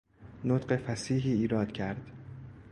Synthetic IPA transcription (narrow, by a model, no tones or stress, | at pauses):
not̪ɢe̞fæsiːɦiːiːɾɒːd̪̥cʰæɾd̪̥